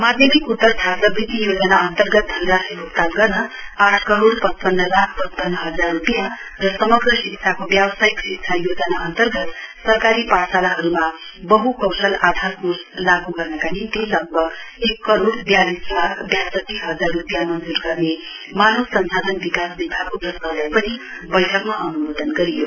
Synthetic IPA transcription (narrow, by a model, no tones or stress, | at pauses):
mad̪ʱjʌmikut̪ːʌt̪ʰasʌbrit̪ijod͡zʌnaʌnt̪ʌrɡʌt̪̚ɦʌnɾasibʱuk̚t̪aɡʌrnʌaʈʰkʌɾoɽpʌt͡spʌnːʌlakʰpʌt͡spʌnːʌɦʌd͡zarrupjã | rʌsʌmʌɡrʌsiksʰakobjabsaiksikt͡sʰajod͡zʌnaʌnt̪ʌrɡʌt̪sʌrkaɾipasalaɦʌɾuma | bʌɦukʌwsʌlad̪ʱarkuslaɡuɡʌrnʌkanint̪ilʌɡ̚bʱʌɡekːʌɾoɽbjalislakʰbjasʌt̪ːisɦʌd͡zarrupijamʌnd͡zurɡʌrne | manosʌnsad̪ʌnbikasbibʱaɡkobrʌsalajpʌni | bʌjʈʰʌkmaʔʌnumod̪ʌnɡʌɾijo